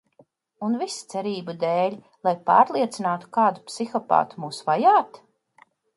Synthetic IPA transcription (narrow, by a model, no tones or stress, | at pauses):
unvist̪sɛɾiːbud̪ɛːlʲ | lˠajpa̰ːɾlˠiɛt̪sinaːt̪u̥kaːd̪u̥psixɔpa̰ːt̪u̥muːsvajaːt̪